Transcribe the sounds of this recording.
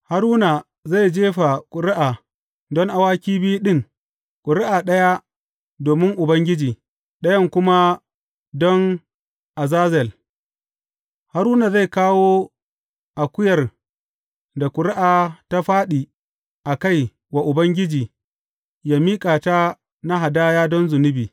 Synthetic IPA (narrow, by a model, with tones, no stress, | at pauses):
ha˦ɾuː˦na˨ | za˦˨jd͡ʒeː˦ɸa˨kʷʼʊ˨ɾɪ˦ʔaː˨ | dɔ˦ŋʔa˨waː˦kʲiː˦bi˦ju˦ɗɪ˦˨ŋ | kʷʼʊ˨ɾɪ˦ʔa˨ɗɐ˦ja˦ | doː˨mɪ˦ŋʔʊ˨bɐ˦ŋɡʲɪ˦d͡ʒiː˨ | ɗɐ˦jɐ˦˨ŋkʷʊ˦ma˦ | dɔ˦ŋ | ʔa˨zaː˦zɛ˨l | ha˦ɾuː˦na˨za˦˨jkaː˦woː˦ | ʔa˨kʷʊ˦jɐ˨r | da˨kʷʊ˨ɾɪ˦ʔaː˨ta˦ɸaː˦ɗiː˨ | ʔa˨ka˦˨j | wa˨ʔʊ˨bɐ˦ŋɡʲɪ˦d͡ʒiː˨ | jaː˦miː˦kʼaː˨ta˦ | na˦ɦa˨daː˦jaː˦dɔ˦nzʊ˨nʊ˦biː˨